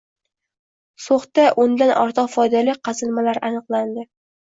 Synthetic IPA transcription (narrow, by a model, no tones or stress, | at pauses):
soχt̪aʔʊnd̪anʔɒɾt̪ʰɨqfɒjd̪alɪqʰɑzɪlmalaɾanɨqlˠand̪ɪ